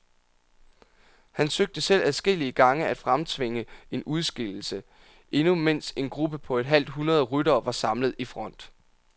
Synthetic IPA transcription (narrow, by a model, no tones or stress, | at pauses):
hænsøɡ̥̚d̥əsel̰æðˠsɡ̥e̝l̰iəɡ̥ɑ̈ŋəæd̥fʁamt͡sʰʋe̝ŋəe̝nuð̞ˠsɡ̥el̰l̩sə | ʔe̝numen̰se̝nɡ̥ʁub̥əpʰɒ̽e̝d̥ɦæl̰d̥ɦunɐð̞ˠəʁyɾɐːʋɑ̈sɑ̈mləð̞ˠifʁɒ̽n̰d̥